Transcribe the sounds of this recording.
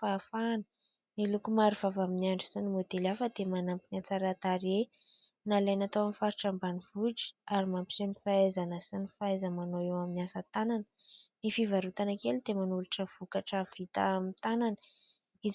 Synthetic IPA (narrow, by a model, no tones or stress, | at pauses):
afanə | nilukumaɾiv̥avaminiaɳɖ͡ʐisinimod̪elafəd̪emanampinat͡saɾat̪aɾe | nalajnat̪awamifaɾiʈ͡ʂambaniv̥uʈ͡ʂi̥aɾimampi̥senifaezanəsinifaezəmanoewaminiasət̪ananə̥nifivaɾut̪anakelid̪̥emanuluʈ͡ʂəv̥ukaʈ͡ʂəv̥it̪a̰amit̪ananə | iz